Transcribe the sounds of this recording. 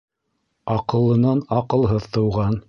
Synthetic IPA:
ɑqɤ̆lˠːɤ̆nɑnɑqɤ̆lˠɦɤðt̪ɤ̆wʁɑn

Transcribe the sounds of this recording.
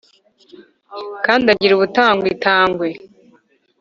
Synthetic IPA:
kaːndaɟiɾuβutaːŋɡwitaːŋɡwe

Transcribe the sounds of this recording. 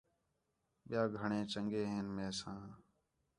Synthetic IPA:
ɓɪjaːɡʱəɳẽːt͡ʃəŋɡeːɦeːnmeːsãː

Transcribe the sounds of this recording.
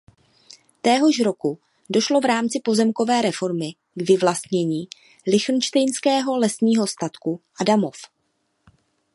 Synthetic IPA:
t̪ɛːɦo̞ʃɾo̞ku | do̞ʃlo̞vɾaːmt͡sɪpo̞zɛmko̞vɛːɾɛfo̞ɾmɪ | ɡvɪvlast̪ɲɛɲiː | lɪxn̩t͡ʃt̪ɛjnskɛːɦo̞lɛsɲiːɦo̞st̪at̪kuʔadamo̞f

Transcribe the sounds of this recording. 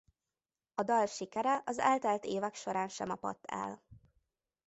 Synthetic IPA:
ɒd̪ɒlʃikɛɾɛʔɒzɛ̰lt̪ɛlt̪eːvɛkʃo̞ɾaːnʃɛmɒpɒ̰t̪ːɛ̰l

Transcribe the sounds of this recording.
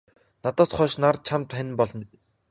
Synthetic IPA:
nat̪ɔːt̪χɔːʃnart̪̚t͡ɕʰamt̪χæn̆ʲmpɔɮɞ̆n

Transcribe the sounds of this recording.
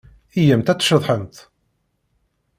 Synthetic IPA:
ijəmt̪æt͡sːʃəðˤħənt̪

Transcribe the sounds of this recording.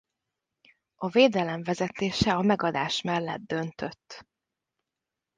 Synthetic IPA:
ɒveːd̪ɛlɛɱvɛzɛt̪eːʃɛɒmɛɡɒd̪aːʃmɛlːɛ̰d̪d̪ø̞nt̪øt̪ː

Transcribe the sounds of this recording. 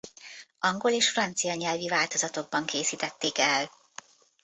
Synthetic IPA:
ɒŋɡo̞leːʃfrɒnt̪sijɒɲɛlvivaːlt̪o̞zɒt̪o̞ɡ̚bɒŋkeːsiːt̪ɛt̪ːeːkɛl

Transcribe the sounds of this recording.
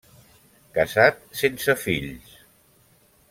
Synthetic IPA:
kəzat̪̚sensəfiʎs

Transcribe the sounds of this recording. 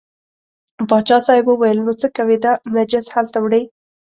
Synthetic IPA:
bɑt͡ʃɑsɑjɪbəwajəlnot͡səkawid̪amad͡ʒɪshalt̪awɽəj

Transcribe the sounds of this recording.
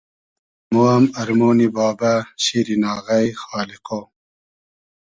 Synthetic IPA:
moɐmɐɾmoːnibɑːbaɕiɾinɑːɣɐjxɑːliqo

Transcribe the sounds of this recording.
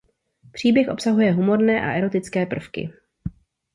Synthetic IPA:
pr̝̥iːbjɛxʔo̞psaɦujɛɦumo̞ɾnɛːʔa̰ʔɛɾo̞t̪ɪt͡skɛːpr̩fkɪ̰

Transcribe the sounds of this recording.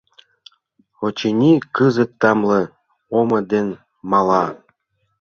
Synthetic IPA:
ot͡ɕinʲikɯzɤ̆t̪ːɑmlɤ̆ | omɤ̆d̪en | mɑlˠɑ

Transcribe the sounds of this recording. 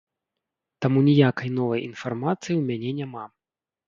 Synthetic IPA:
t̪amunʲijakɐjnɔvɐjinfarmat̪sɨjiwmʲanʲɛnʲama

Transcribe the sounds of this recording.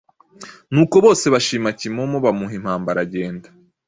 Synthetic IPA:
nuːko̞βo̞ːse̞βaʃiːmacimomoβamuɦim̥haːmbaɾaɟe̞ːnda

